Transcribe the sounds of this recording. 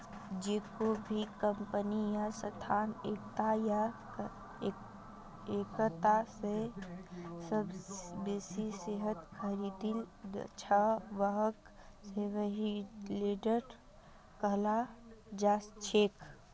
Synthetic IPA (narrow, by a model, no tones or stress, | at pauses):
d͡ʒeːkobʱikəmpənijasət̪ʰaːneːk̚t̪aja | ekət̪ase | səbbeːsiseɦət̪kʰəɾid̪ildt͡ʃʰəʋəɦək | seʋəɦileɖəɾ | kəɦlad͡ʒaːst͡ʃʰeːk